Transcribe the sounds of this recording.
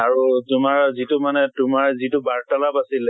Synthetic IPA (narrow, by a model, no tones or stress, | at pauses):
aɹutʊmaɹzitʊmanɛtʊmaɹzitʊbaɹtalapasilɛ